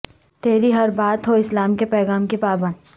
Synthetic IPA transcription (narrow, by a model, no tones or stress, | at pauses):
t̪eːɾiɦɐɾbaːt̪ɦoɪslaːmkepɛːɣaːmkepaːbə̃nd̪